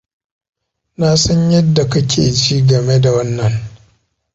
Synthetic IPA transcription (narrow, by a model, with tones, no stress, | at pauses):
na˦sɐ˦ɲjɐ˦dːa˨kɐ˦kʲʰeː˨t͡ʃiː˦ɡɐ˨me˦da˨wɐ˦nːɐ˨n